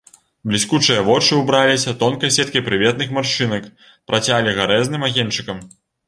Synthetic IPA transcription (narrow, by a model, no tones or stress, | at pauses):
blʲiskut͡ʂɨjɐvɔt͡ʂɨubɾalʲisʲɐt̪ɔnkɐjsʲɛt̪̚kɐjpɾɨvʲɛt̪nɨxmarʂɨnɐk | pɾʔat͡sʲalʲiɣaɾɛznɨmaɣʲɛnt͡ʂɨkɐm